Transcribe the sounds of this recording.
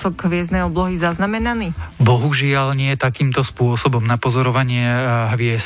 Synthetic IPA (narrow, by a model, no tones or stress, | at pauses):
sɔɡɦʋɪɛzd̪nɛjɔblɔɦizaznamɛnaniːbɔɦuʒɪalɲɪɛt̪akiːmt̪ɔspʊɔsɔbɔmnapɔzɔɾɔʋaɲɪɛɦʋɪɛs